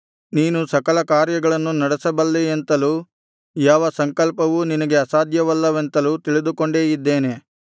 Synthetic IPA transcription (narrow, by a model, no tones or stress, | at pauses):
niːnusɐkɐlɐkaːɾjɐɡɐɭɐnːunɐɽesɐbɐlːeent̪ɐluː | jaːʋɐsɐŋkɐlpɐʋuninɐɡe̞ɐsaːd̪ʱjɐʋɐlːɐʋent̪ɐluːt̪iɭid̪uko̞ɳɖeːjid̪ːeːne